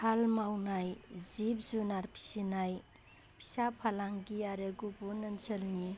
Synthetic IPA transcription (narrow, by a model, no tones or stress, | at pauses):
halmawnajzip̚zunaɾpʰi̥sinaj | pʰi̥sapʰalaŋɡiaɾeɡubunɯnsəlni